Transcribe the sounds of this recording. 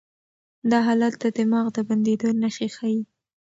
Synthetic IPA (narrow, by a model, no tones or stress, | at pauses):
d̪ɑɦɑlat̪̚d̪əd̪ɪmɑɣd̪əband̪ed̪onəʃexɑji